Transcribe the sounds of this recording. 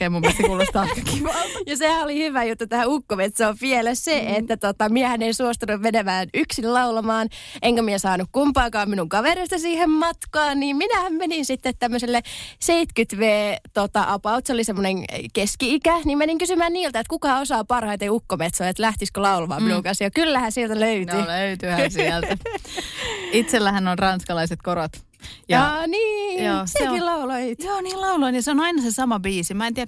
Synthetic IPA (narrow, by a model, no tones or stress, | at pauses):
emumpiest̪sekuːlːost̪ɑkɑki̥ʋjɑsehæolihyʋæjut̪ːut̪æhæukːomet̪soːpielesseʔet̪ːæt̪ot̪ɑmiehænensuost̪ɑnuʋmenemæːnyksillɑulɑmɑːnʔeŋkæmiesɑːnukkumpɑːkɑːmminuŋkɑʋerist̪ɑsiːhemmɑt̪kɑːnniːmminæhæmmeninsit̪ːet̪t̪æmːøselːeseit̪kyt̪ʋeːt̪ot̪ɑʔɑpɑut̪seolisemːoneŋkeskiikænimmeniŋkysymæːnniːlt̪æet̪kukɑosɑːpɑrhɑit̪eiukːomet̪soːet̪læht̪iskolɑulʋɑ̰ːuːkɑsjɑkylːæhæsielt̪æløyt̪yløyt̪yhænsiælt̪æ | it̪selːæhænːonrɑnskɑlɑiset̪korot̪ | jɑniːoːseeilɑuloioːniːllɑuloinjɑseonɑinɑsesɑmɑbiːsimæent̪iæ